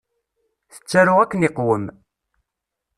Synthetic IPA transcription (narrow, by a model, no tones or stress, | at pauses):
θə̥t͡sːæɾʊʁækːənɪqwəm